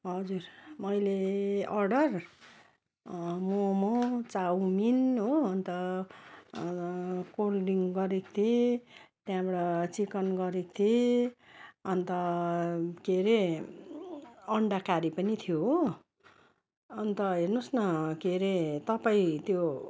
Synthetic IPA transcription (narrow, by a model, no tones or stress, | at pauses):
ɦʌd͡zurmʌjleʌrɖʌr | momot͡sawminɦoʌnt̪ʌ | kolɖiŋɡɡʌɾekt̪ʰet̪jãbʌɽʌt͡sikʌnɡʌɾek̚t̪ʰe | ʌnt̪ʌ | keɾe | ʌɳɖakaɾipʌnit̪ʰijoɦ | ʌnt̪ʌɦernosnʌkeɾet̪ʌpaĩt̪jo